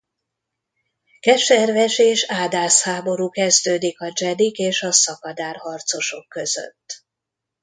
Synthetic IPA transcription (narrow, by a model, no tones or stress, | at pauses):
kɛʃɛrvɛʃeːʃaːd̪aːshaːbo̞ɾuːkɛzd̪øːd̪ikɒd͡ʒɛd̪ikeːʃɒsɒkɒd̪aːrhɒrt̪so̞ʃo̞kːø̞zø̰t̪ː